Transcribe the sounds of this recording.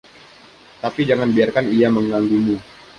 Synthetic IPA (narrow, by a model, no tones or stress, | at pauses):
t̪apid͡ʒaŋanbiarkanijaməŋaŋɡumu